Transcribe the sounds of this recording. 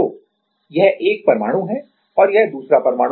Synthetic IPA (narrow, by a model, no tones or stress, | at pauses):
oː | jɛɦʔeːk̚pɐɾma̰ːɽ̃ũɦɛ | ɔːɾjɛɦd̪uːsɾapɐɾmaːɽ̃